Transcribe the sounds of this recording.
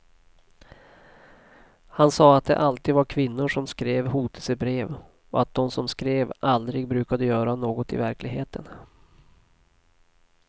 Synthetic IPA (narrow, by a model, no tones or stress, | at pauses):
hansɑːat̪̚d̪ɛ̰ʔalt̪iːd̪vaɾkʰvɪnːʊʂɔmskɾeːvhuːt̪ʰə̥sɛbɾeːv | ɔ̰at̪̚d̪ɔmsɔmskɾeːvʔald̪ɾɪɡbɾʉ̟ːkad̪əjœːɾanoːɡɔt̪ɪ̰væɾklɪɡɦeːt̪ʰə̰n